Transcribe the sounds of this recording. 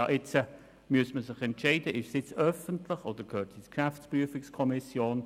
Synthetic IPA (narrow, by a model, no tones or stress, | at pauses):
ɑʔɪt͡sə | myəsməsɪχɛntʃɛɪdəʔɪʃsɪt͡sœfəntʰlɪχodəɾkʰøːtʰɪskʃæft͡spɾyəfɪkskʰɔmɪsjoːn